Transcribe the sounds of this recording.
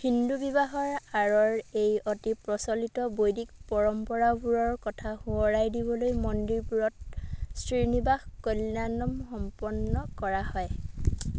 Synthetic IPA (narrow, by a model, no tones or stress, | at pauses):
hindubibaɦɔɹaɹɔɹejɔtipɹɔsɔlitɔbojdik̚pɔɹɔmpɔɹabuɹɔɹkɔtʰahuɔɹajdibɔlojmɔndiɹpuɹɔt̚sɹinibaxkolnanɔmxɔmpɔnːɔkɔɹahɔj